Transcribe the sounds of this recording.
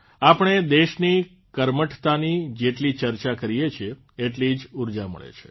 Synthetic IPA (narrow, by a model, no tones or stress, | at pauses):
apəɳ̃ed̪eʃni | kəɾməʈt̪anid͡ʒeʈlit͡ʃəɾt͡ʃakəɾijet͡ʃʰeː | ʈlid͡ʒuɾd͡ʒamə̰ɭḛt͡ʃʰe̥